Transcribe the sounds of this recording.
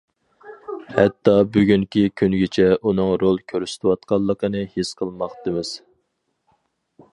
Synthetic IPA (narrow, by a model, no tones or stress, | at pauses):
hɛt̪ʰːɑbyɡʲyŋkʲikʲʰynɡʲit͡ʃʰɛʔunɨŋɾolˠkʲʰøɾysɪ̥t̪ʰɪwɑt̪̚qɑlˠːəqənɨhisqʰəlˠmɑχt̪ɨmɨz̥